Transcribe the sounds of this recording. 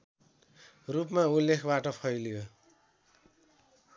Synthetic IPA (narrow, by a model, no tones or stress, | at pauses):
rupmaulːekʰbaʈʌpʰʌjljo